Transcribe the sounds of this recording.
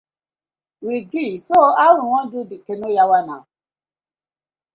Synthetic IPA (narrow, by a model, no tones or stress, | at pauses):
wiɡɾisoawĩw̃ɔ̃d͡ʒudikenojawanã